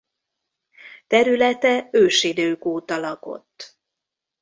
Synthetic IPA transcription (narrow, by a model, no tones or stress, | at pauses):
t̪ɛɾylɛt̪ɛøːʃid̪øːkoːt̪ɒlɒko̞̰t̪ː